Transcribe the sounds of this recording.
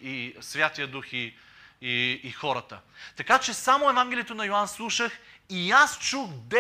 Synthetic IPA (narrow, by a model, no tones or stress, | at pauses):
isvʲjat̪ijəd̪uxi | iːxɔɾət̪ət̪ɐkat͡ʃɛsamoɛvaŋɡʲɛlʲijɛt̪onɐjoanslˠuʃəxiast͡ʃuɣd̪ɛ